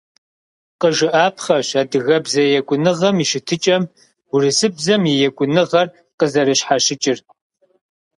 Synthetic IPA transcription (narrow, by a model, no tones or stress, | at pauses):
qəʒɨʔaːpʰχɐɕaːdɨɣɐbzɐjɛkʷʼʊnɨʁɐmiʃɪtʰɨt͡ʃʼɐm | ʊrɨsɨbzɐmjɛjɛkʷʼʊnɨʁɐr | qəzɐɾɨɕħaʃɪt͡ʃʼɪr